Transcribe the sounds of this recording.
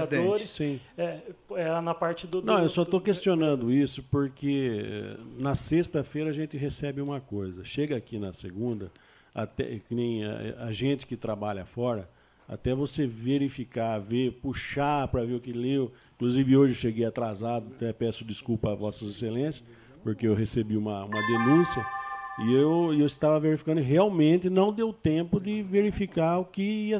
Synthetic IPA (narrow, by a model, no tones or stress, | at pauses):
ad̪oɾɪssĩɛɛnɐpaɾt͡ʃɪd̪nɐ̃w̃ewsɔt̪okest͡ʃionɐ̃nd̪ʊisʊpoɾkʰeɛ̰nɐsest̪ɐfejɾɐaʒẽnt͡ʃ̪ɪɦesɛbɪũmɐkojzɐʃeɡɐakinɐseɡũnd̪ɐ | a̰t̪ɛ̰knẽj̰̃ɛ̰ɐʒẽt͡ʃ̪ɪ̥kɪt̪ɾabaʎɐfɔɾɐ | a̰t̪ɛvoseveɾifikavepuʃapɾɐveʊkɪliwĩkluzivɪoʒewʃeɡejat̪ɾazad̪ʊat̪ɛpɛsʊd̪ɪskupɐavɔsɐzeselẽsjɐ̥ | poɾkeewɦesebiũmɐũmɐd̪enũsjɐɪewewɪst̪avɐveɾifi̥kɐ̃nʊɦeawmẽnt̪ɪnɐ̃w̃d̪ewt̪ẽpʊd̪ɪveɾifikaʊkɪiɐ